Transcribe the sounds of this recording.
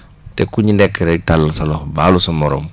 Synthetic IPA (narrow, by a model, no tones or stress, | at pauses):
tɛkuɲindɛkːɛɾɛtalɐsɐlɔxbaːlusɐmɔɾɔm